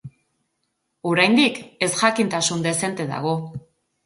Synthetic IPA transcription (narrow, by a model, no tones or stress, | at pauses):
oɾajnd̪ike̞sʝakint̪asund̪e̞se̞nt̪e̞ða̰ɣ̞o̞